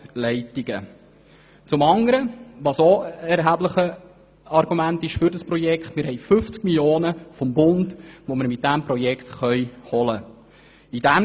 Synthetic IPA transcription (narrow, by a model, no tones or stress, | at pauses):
lɛɪtiɡ̥ə | t͡sʊmɑŋəɾəʋɑsoɛɾɦæbləχə | ɑɾɡ̥umæntɪʃfʏɾdəspɾɔjɛkχtmɪɾɦɛɪfʏft͡skmiljoːnəfɔmbʊndʋoməɾmɪt̚dæmpɾɔjɛkχtχœʏhɔlə | idæ